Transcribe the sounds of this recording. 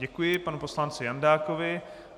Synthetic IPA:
ɛkujɪpanupo̞slant͡sɪjandaːkovɪ

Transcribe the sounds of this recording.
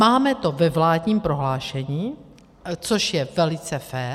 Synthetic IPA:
maːmɛt̪o̞vɛvlaːdɲiːmpɾo̞ɦlaːʃɛɲiː | t͡soʃjɛvɛlɪt͡sɛfɛː

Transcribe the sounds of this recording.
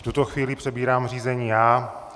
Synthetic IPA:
ft̪ut̪oxviːlɪpr̥ɛbiːɾaːmr̝iːzɛɲiːjaː

